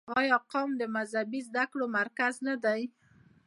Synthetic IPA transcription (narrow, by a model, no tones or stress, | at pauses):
ɑjɑqɑmd̪əmazabizd̪akɽomaɾkaznad̪aj